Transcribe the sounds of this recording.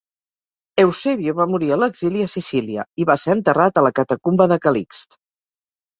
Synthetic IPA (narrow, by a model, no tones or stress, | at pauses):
ewseβjoβamuɾiələɡziliəsisiliə̰iβaseənt̪ərat̪ələkət̪əkumbəðəkəlikst̪